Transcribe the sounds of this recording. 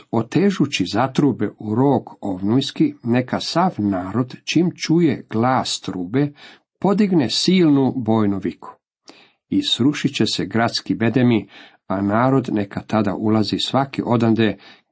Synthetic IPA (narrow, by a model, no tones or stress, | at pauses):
o̞t̪eːʒut͡ɕizat̪ɾubeʔuɾoːɡoʋnujskine̞kasaʋnaːɾo̞d̪t͡ʃimt͡ʃujḛɡ̥laːst̪ɾuːbe | po̞d̪iɡnesiːlˠnubo̞ːjnuʋikʰu̥ | isɾuʃit͡ɕeseɡɾat̪skibe̞d̪emi | anaːɾo̞d̪nekat̪ad̪a̰ʔulˠazisʋakḭʔo̞d̪and̪e